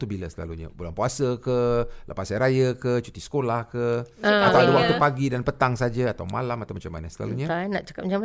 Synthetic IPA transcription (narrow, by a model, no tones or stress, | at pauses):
t̪ubiləsəla̰luɲa̰bulanpuasəkəlapasaɾajəkət͡ʃut̪isə̥kolahkəak̪aadəwat̪upaɡidanpət̪aŋsad͡ʒəat̪awmalamat̪awmat͡ʃamːa̰nəsəla̰luɲət̪anaʔt͡ʃḁkat̚at͡ʃam